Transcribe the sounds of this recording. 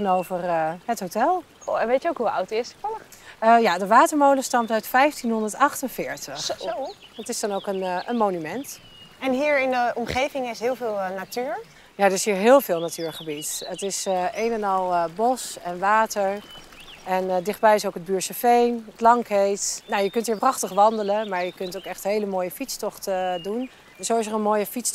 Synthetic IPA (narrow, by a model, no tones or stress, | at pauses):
ənowvərɦətɦotɛlˠ | oɛnʋejtəowkɦua̰wtɪsəfɔləχəjadəʋaːtəɹmowləstɑmtœɥtfɛjftinɦɔndəɹtɑχtənv̥ɪːɹtəχ | ətɪsdɑnowkənʔənmonymɛnt | ɛnɦiːɹɪndəɔmχejvɪŋɪsɦɪːlˠvɪːlˠnatyːɹ | jadəɪsɦiːɹɦɪːlˠvɪːlˠnatyːɹχəbitətɪsejnɛnɑlˠbɔsɛnʋaːtəɹ | ɛndɪχd̚bɛjɪsowkəd̚byːɹsəfejnklɑŋkejtnojəkɵntɦiːɹprɑχtəχʋɑndələnmaːɹjəkɵntowkɛχtɦejləmoːjəfitstɔχtdun | sowɪs̬əɹənmoːjəfits